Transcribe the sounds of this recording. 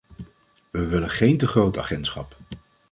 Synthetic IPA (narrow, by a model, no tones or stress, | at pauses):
ʋəʋɪlənχejntəχrowta̰ːχɛntsχɑ̰p